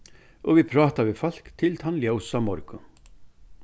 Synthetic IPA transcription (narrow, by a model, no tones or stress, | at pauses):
ɔɣviðpʰɾɑːt̪avɪðfal̥kt̪ʰɪlt̪ʰanljowsamɔɾkʊn